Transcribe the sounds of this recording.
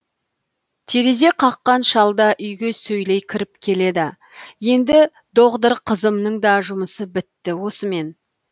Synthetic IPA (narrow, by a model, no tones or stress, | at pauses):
t̪ʰe̞ɾe̞ze̞qʰɑqːɑnʃɑlˠd̪ɑʔʏjɡʲe̞sɵjlejkʲʰɪɾɪpkʲʰe̞le̞d̪ɪ | je̞nd̪ɪ | d̪o̞ʁtd̪əɾqʰəzəmnəɴd̪ɑʒʊməsəbɪt̪ːɪwo̞səme̞n